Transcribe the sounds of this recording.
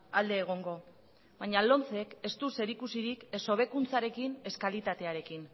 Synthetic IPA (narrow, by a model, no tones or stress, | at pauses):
ald̪e̞ːɣ̞o̞ŋɡo̞ | βaɲalo̞nt͡se̞ke̞st̪use̞ɾikusiɾikeso̞β̞e̞kunt͡saɾe̞kine̞skalit̪at̪e̞aɾe̞kin